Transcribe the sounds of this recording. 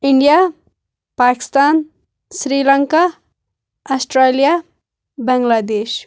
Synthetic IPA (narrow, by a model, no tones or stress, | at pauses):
iɳɖija | paki̥st̪aːn | sɾilaŋka | asʈɾelija | bɐŋɡlad̪eːʃ